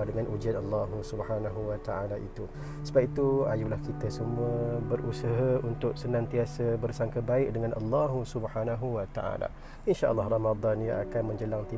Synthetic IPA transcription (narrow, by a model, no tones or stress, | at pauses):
dəŋanʔud͡ʒianɑlːɑɦusubhanaɦuwat̪aʔalaʔḭt̪u | səbap̚it̪uajulahkit̪əsəmũəbərʔusəɦaunt̪ʊʔ̚sənãnt̪iasəbərsaŋkəbaɪʔ̚dəŋanʔɑ̰lːɑɦusubhanaɦuwat̪a̰ʔa̰la̰ | inʃaʔə̰lˤːɑhrɑmad̪ˤɑnjaakanmə̃ɲd͡ʒəlaŋt̪i